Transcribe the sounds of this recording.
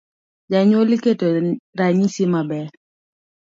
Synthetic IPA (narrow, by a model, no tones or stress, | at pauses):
d͡ʒaɲwoliketoɾaɲisɪmabɛ